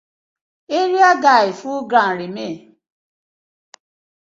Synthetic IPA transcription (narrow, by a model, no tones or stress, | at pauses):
eɾiaɡaifũɡɾãɾime